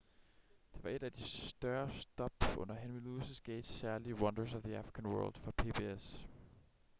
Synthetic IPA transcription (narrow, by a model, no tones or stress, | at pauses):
d̥e̝ʋɑ̈e̝d̥æd̥isd̥ɶɐsd̥ɒ̽b̥ɔ̽n̰ɐɦænmiluːsəsɡ̥eːd̥sæɐliəwɒnd̥ɐsɒfðiæfʁikʰænwɜ̰ːld̥fɒ̈pʰe̝pʰe̝es